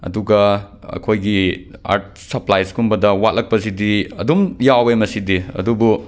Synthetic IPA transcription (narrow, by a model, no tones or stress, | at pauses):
ɐ̰duɡɐ | ɐ̰kʰojɡia̰ɾt̚ | sɐplajskumbɐdɐwat̚lɐk̚pɐs̬idiɐ̰dumjawemɐsidiɐ̰dubu